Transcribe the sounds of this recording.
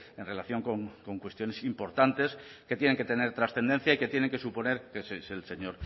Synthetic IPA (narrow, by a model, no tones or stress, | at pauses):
e̞nre̞laθjo̞ŋko̞ŋko̞ŋkwe̞st̪jonesimpo̞ɾt̪ant̪e̞ske̞t̪je̞ne̞ŋket̪e̞ne̞ɾt̪ɾasθe̞nd̪ẽ̞nθjaike̞t̪je̞ne̞ŋke̞supo̞ne̞ɾkeseselse̞ɲoɾ